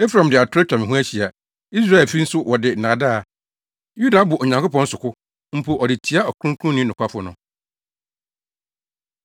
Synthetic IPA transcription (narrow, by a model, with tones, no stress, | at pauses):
e˦fɾã˨m˨dɪ˨a˨tʰʊ˦ɾɪ˦t͡ɕᶣa˨mɪ̃˨ɦũ˦æ˦ɕi˨a˨ | i˦s̬ɾa˦ɛ˨lfi˦n̩˦sʊ˦wʔɔ˨dɪ˨nãː˨da˦˨ | ju˦da˨˦bʊ˨ʔo˨ɲã˨ŋkʊ˦pɔ̃˦n̩˦sʊ˨kʰʊ˦ | m̩˦pʰo˨ʔɔ˨dɪ˨tʰi˨˦a˦ɔ˨kʰũ˦ŋ˦kʰũ˦nĩ˦nʊ̃˨kʷʰa˦fʊ˦nʊ̃˨